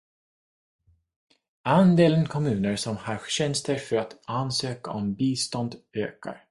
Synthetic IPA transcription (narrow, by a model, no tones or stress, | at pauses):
and̪eːlənkʰɔmʉ̟ːnəɾsɔmhɑɾɕɛnst̪əɾfœɾat̪ansøːka̰ʔɔmbiːst̪ɔnd̪øːka̰ɾ